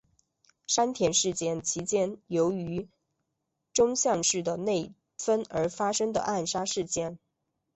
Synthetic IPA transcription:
ʂa˥nt̪ʰjɛ˧˥nʂɻ̩˥˩t͡ɕjɛ˥˩nt͡ɕʰi˧˥t͡ɕjɛ˥njo˧˥ʊy˧˥ | ʈ͡ʂʊ˥ŋɕjɑ˥˧ŋʂɻ̩˥˩d̪ə˩ne˥˩ɪ | fə˥nə˞˧˥fa˥ʂɤ˥ŋd̪ə̰˨ʔa˥˩nʂa˥ʂɻ̩˥˧t͡ɕjɛ˥˩n

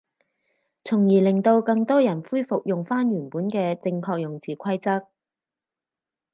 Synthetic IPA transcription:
t͡sʰʊ˨˩ŋjiː˨˩lɪ˨˩ŋt̪o˧wkɐ˧ŋt̪ɔː˥jɐ˨˩nfuː˥jfʊ˨k̚jʊ˨ŋfaː˥nɥyː˨˩npuː˨˥nkɛː˧t͡sɪ˧ŋkʰɔː˧k̚jʊ˨˩ŋt͡siː˨kʷʰɐ˥jt͡sɐ˥k̚

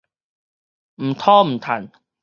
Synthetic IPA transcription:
m̩˨˩t̪ʰɔː˦m̩˨˩t̪ʰa̰˨˩˦n

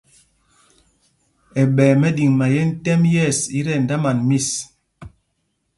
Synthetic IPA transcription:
ɛ˨ɓɛː˨mɛ˦di˨ŋma˨jɛ˦n̩˦tɛ˦mjɛ˦˨si˦ɾɛ˦˨n˨da˦ma˨nmi˦˨s

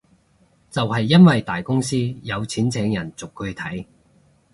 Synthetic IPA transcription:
t͡sɐ˨whɐ˨jːɐ˥nwɐ˨jt̪aː˨jkʊ˥ŋsiː˥jɐ˨˧wt͡sʰiː˨˥nt͡sʰɛː˨˧˥ŋjɐ˨˩nt͡sʊ˨kʰːɵ˨˧ɥt̪ʰɐ˨˥j

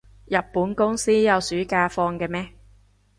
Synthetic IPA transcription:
jɐ˨p̚pːuː˨˥nkʊ˥ŋsiː˥jɐ˨˧wsyː˨˥kaː˧fɔː˧ŋkɛː˧mɛː˥

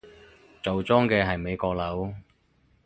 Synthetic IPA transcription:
t͡so˨wt͡sɔː˥ŋkɛː˧ɦɐ˨jme˨˧jkɔː˧k̚lɐ˨˥w

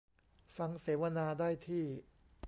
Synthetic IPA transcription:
fa˧ŋseː˩˦wa˧naː˧daː˥˩jt̪ʰiː˥˩

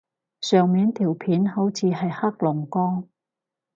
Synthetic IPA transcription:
sœː˨ŋmiː˨˥nt̪ʰiː˨˩wpʰiː˨˥nho˨˥wt͡sʰiː˨˧ɦɐ˨jha˥k̚lʊ˨˩ŋkɔː˥ŋ

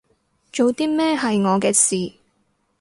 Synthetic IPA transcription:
t͡ʃo˨wt̪iː˥mɛː˥ɦɐ˨jŋɔː˨˧kɛː˧siː˨

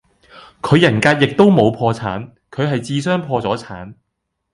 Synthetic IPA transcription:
kʰɵ˨˧ɥjɐ˨˩nkaː˧t̚jɪ˨k̚t̪o˥wmo˨˧wpʰɔː˧t͡sʰa̰ː˨˥n | kʰɵ˨˧ɥɦɐ˨jt͡siː˧sœː˥ŋpʰɔː˧t͡sɔː˨˥t͡sʰaː˨˥n

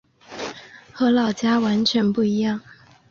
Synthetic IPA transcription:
xɤ˧˥lɑ˥˨˩ʊt͡ɕja˥wa˧˥nt͡ɕʰɥɛ˧˥npu˥˩i˧˥jɑ˥˩ŋ

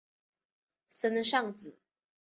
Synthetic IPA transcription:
sə˥nə˧ʂɑ˥˨ŋt͡s̩˨˩˦

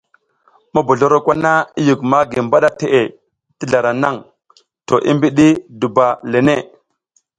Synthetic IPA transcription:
ma˦bu˨ɮo˦ɾo˦kʷa˦na˦i˦ju˨kma˦ɡi˨mba˦ɗa˦te˨ʔe˨ | ti˦ɮa˨ɾa˨na˦˨ŋ | to˨ʔi˦mbi˦ɗi˦du˨ba˨le˨ne˦˨

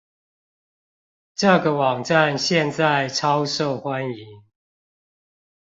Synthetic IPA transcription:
ʈ͡ʂɤ˥˨ɡə˨wɑ˨˩ŋʈ͡ʂa˥˨nɕjɛ˥˨nt͡sa˥˨ɪʈ͡ʂʰɑ˦ʊʂo˥˨ʊxwa˦ni˨˦ŋ

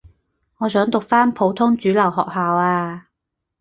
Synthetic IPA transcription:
ŋɔː˨˧sœː˨˥ŋt̪ʊ˨k̚faː˥npʰo˨˧˥wt̪ʰʊ˥ŋt͡syː˨˥lɐ˨˩wɦɔː˨k̚haː˨waː˧

